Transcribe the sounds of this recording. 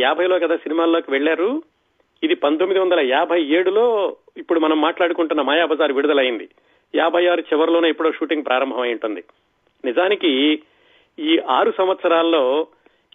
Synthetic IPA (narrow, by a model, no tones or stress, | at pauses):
aːbʱɐjlo̞ːkɐd̪aːsinimaːlo̞ːkiʋeɭːaːɾu | id̪ipɐnt̪̬omːid̪iʋɐnd̪ɐlɐjaːbʱɐje̞ːɽulo̞ː | ipːuɽumɐnɐmːaːʈlaːɽukuɳʈunːɐmaːjaːbʱɐzaːɾʋiɽud̪ɐlɐjind̪i | jaːbʱɐjaːɾut͡ʃɛʋɐɾloːneːepːuɽo̞ːʃuːʈiŋɡ̚pɾʔaːɾɐmbʱɐmɐjuɳʈund̪i | nizaːniki | iːʔaːɾusɐmʋɐt̪sɐɾaːlɐːo̞ː